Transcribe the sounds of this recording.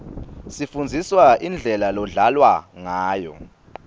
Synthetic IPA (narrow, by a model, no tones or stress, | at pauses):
sifund͡zʱiswaind͡ɮʱɛlalɔɮalwaŋaːjɔ̰